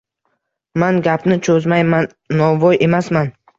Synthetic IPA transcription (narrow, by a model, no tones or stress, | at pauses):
manɡʲapʰnɪt͡ʃʰɵzmajmanːɒvɒjʔe̞masman